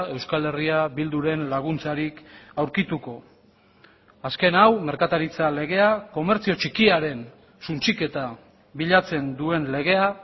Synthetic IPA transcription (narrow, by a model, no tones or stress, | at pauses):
e̞wskale̞riaβild̪uɾe̞nlaɣ̞unt͡saɾikawɾkit̪uko̞ | aske̞nawme̞ɾkat̪aɾit͡sale̞ɣ̞e̞ako̞me̞ɾt͡sio̞t͡ʃikiaɾe̞n | sunt͡sike̞t̪a | βiʎat͡se̞nd̪ue̞nle̞ɣe̞a